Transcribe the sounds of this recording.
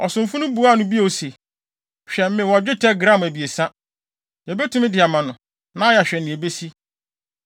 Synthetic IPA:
ɔ˨sʊ̃˨m̩˨fʊ˦nʊ̃˦bu˨˦a˦˨nʊ̃˨bi˦o˨o˨se˨ | ɕᶣɛ˨m̩˦mɪ̃˨wɔ˨d͡ʑᶣɪ˦tʰɛ˦ɡɾã˦˨m˨æ˨bi˨e˨sã˦ | jɛ˨be˦tʰũ˦mɪ̃˦dɪ˨a˨mã˨nʊ̃˨ | nã˦jɛ˨ɕᶣɛ˨nːɪ̃˨e˨be˦si˦

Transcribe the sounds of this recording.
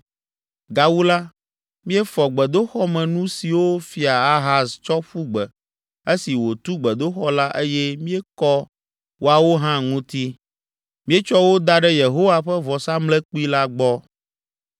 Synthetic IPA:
ɡa˨wu˦la˦ | mĩ˦ɛ˦fɔ˨ɡ͡bɛ˨d̪o˦xɔ˦mɛ̃˨nũ˦si˨wo˦fi˨a˨a˦ɦa˦st͡ʃɔ˦ɸu˦ɡ͡bɛ˨ | e˦si˨wo˨t̪u˦ɡ͡bɛ˨d̪o˦xɔ˦la˦ʔe˦jɛ˦mĩ˦ɛ˦kɔ˦ | wʔo˨a˨wo˦ɦã˦ŋũ˦t̪i˦ | mĩ˦ɛ˦t͡ʃɔ˦wo˦d̪a˦ɖɛ˦je˨ɦo˦wa˦˨ɸɛ˦vɔ˨sa˦mlɛ˦k͡pu˦i˦la˦ɡ͡bɔ˦

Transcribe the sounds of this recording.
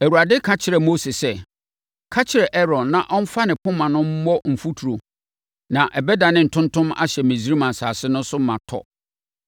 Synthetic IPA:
æ˨wu˨a˨dɪ˦kʰã˦t͡ɕʰɪ˨ɾɛ˨mo˦se˨sɛ˦˨ | kʰa˦t͡ɕʰɪ˨ɾɛ˨ʔɛ˦ɾɔ̃˨nːã˨ʔɔ̃˦n̩˦fa˦nɪ̃˨pʰʊ̃˦mã˨nʊ̃˦m̩˦mɔ˦m̩˨fu˦tʰu˨ɾo˨ | nã˨ʔɛ˨bɛ˦da˨nɪ̃˦n̩˨tʰʊ̃˦ntʰʊ̃˦ma̰˦ɕɛ˨mẽ˨zi˦ɾi˦mã˨n̩˨sa̰ː˨sɪ˦nʊ̃˦n˦sʊ˦mã̰˨tʰɔ̰˦

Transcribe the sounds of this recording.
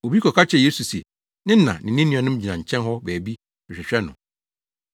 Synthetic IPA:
o˨bi˦kʰɔ˨kʰa˦t͡ɕʰɛ˨jeː˦su˨si˨ɛ˨ | nɪ̃˦n˦nã̰˨nɪ̃˨nːĩ˦nɪ̃˦˨ɔ̃˨nʊ̃˦md͡ʑi˨nã˨ɲ̩˨t͡ɕʰɛ̃˦nɦɔ˦bæː˨bi˦ | ɪ˨ɕᶣɪ˨ɕᶣɛ˦nʊ̰̃˨

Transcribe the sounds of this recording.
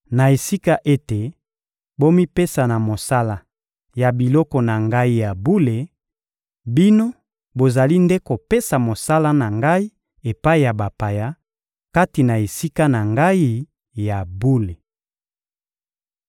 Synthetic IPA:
na˨e˨si˦ka˦ʔe˦te˨ | bo˦mi˦pe˦sa˨na˨mo˨sa˦la˨ | ja˨bi˨lɔ˦kɔ˨na˨ŋɡa˦i˦ja˨bu˦le˨ | bi˦no˦ | bo˨za˨li˦nde˦ko˨pe˦sa˨mo˨sa˦la˦na˨ŋɡa˦i˦ | e˨pa˦i˨ja˨ba˨pa˨ja˦ | ka˦ti˨na˨e˨si˦ka˦na˨ŋɡa˦i˦ | ja˨bu˦le˨

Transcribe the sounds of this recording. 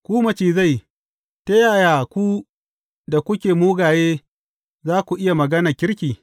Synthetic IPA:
kʷuː˦mɐ˨t͡ʃiː˨za˦˨j | te˦jaː˨jaː˨kʷu˦ | da˨kʷʊ˦kʲeː˨muː˦ɡaː˨jeː˦ | zaː˦kʷu˨ʔɪ˦ja˨mɐ˨ɡɐ˦na˨kʲɪ˦ɽkʲiː˨

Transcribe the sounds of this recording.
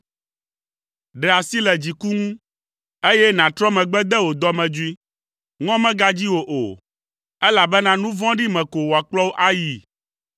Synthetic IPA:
ɖɛ˨a˨si˦lɛ˨d͡ʑi˨ku˦ŋũ˦ | e˦jɛ˦nã˨t̪ɾɔ˦mɛ̃˨ɡ͡bɛ˦d̪ɛ˦wo˨d̪ɔ˦mɛ̃˨d͡ʒu˦i˦ | ŋɔ̃˦mɛ̃˦ɡa˦d͡ʑi˦wo˨ʔo˨ | ɛ˦la˨bɛ˦nã˦nũ˦vɔ̃˦ɖi˦mɛ̃˨ko˨wo˨a˨k͡plɔ˦wo˦ʔa˦ji˨

